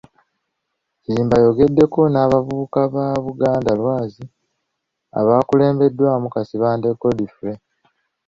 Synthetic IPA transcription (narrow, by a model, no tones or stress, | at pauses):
jiːmbajo̞ɡe̞dːe̞ko̞naːβavuukaβaβuɡaːndalwaːzi | a̰βaːkule̞ːmbe̞dːwaːmukasiβaːnde̞kːo̞difuɾe